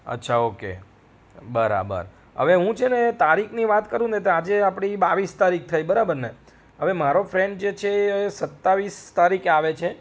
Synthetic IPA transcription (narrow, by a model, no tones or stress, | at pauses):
ə̰tːʃʰaokḛ | bəɾa̰bə̰ɾ | ɦə̰ʋeɦũt͡ʃʰenet̪aɾikʰniʋat̪kəɾũd̪et̪ead͡ʒeapɽ̃ibaʋist̪aɾik̚t̪ʰajbəɾabəɾne | ɦəʋemaɾofɾeɳɖ̚d͡ʒet͡ʃʰesət̪ːaʋist̪aɾikaʋet͡ʃʰe